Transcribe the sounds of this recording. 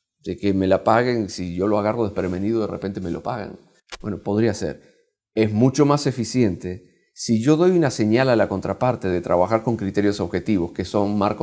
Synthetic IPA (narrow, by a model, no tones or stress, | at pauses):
d̪̥eke̞me̞lapaɣe̞ŋsiʝo̞lo̞aɣaro̞ð̞e̞hpɾeme̞niðoðe̞rʔe̞̰pent̪e̞me̞lo̞pa̰ɣḛŋ | bweno̞po̞ð̞ɾiase̞̰ɾ | e̞zmut͡ʃo̞mase̞fisje̞nt̪e | siʝo̞ðo̞junase̞ɲalalako̞nt̪ɾapaɾt̪e̞ðe̞t̪ɾʔa̰βaxaɾko̞ŋkɾit̪e̞ɾjo̞soβxe̞t̪iβo̞ske̞so̞ŋma̰ɾko